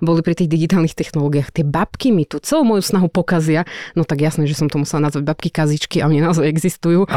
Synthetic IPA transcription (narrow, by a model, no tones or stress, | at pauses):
bɔlipɾit̪iːɣd̪iɡit̪aːlnixt̪ɛxnɔlɔːɡijaːxt̪ɪɛbapkimit̪ut͡sɛluːmɔjusnaɦupɔkazɪanɔt̪aɡjasnɛːʒɛsɔmt̪ɔmusɛlanazʋaɟ̚bap̚kikazit͡ʃkiaɔɲinaɔzajɛɡzist̪ujuː